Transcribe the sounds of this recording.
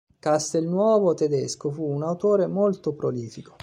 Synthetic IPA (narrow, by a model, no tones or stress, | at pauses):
kast̪elnwɔːvot̪ed̪eskofuːnawt̪oːɾemolt̪opɾoliːfiko̥